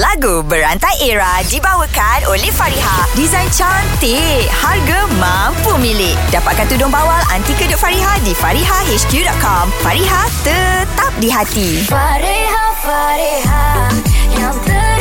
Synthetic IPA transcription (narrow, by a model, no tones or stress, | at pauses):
laɡubəɾant̪ajʔeɹa | dibawəkanʔolɛhfaɾiɦadizãjnt͡ʃant̪e | harɡamã | mpumilɪk̚dapa̰t̪̚kant̪udʊŋbawala̰nt̪ikədʊʔ̚faɾiɦadifaɾiɦaheskjudɔʔ̪̚kɔmfaɾiɦat̪ət̪ap̚diɦat̪i | aɾhafɾha